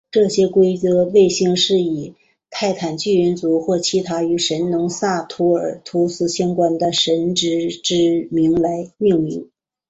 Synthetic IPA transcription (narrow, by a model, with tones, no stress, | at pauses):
ʈ͡ʂɤ˥˩ɕjɛ˥kwe˥ɪt͡sɤ˧˥we˥˩ɪɕi˥˧ŋʂɻ̩˥˩i˨˩ | t̪ʰa˥˩ɪt̪ʰa˨˩nt͡ɕy˥˩ə˧˥nt͡su˧˥xwɔ˥˩t͡ɕʰi˧˥t̪ʰa˥y˧˥ʂə˧˥nnʊ˧˥ŋsa˥˩t̪ʰu˧˥ə̰˞˨˩t̪ʰu˧˥sʰɹ̩˧˩ɕjɑ˥ŋkwa˥˩nd̪ə˨ʂə˧˥nʈ͡ʂɻ̩˧˥ʈ͡ʂɻ̩˥mi˧˥ŋla˧˥ɪmi˥˩ŋmḭ˧˥ŋ